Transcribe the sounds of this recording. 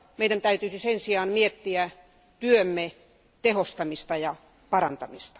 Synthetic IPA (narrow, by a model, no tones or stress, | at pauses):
meidænt̪æyt̪yːsisensiɑːnmiet̪ːiæ | t̪yømːe | t̪ehost̪ɑmist̪ɑjɑ | pɑrɑ̰nt̪ɑmist̪ɑ̥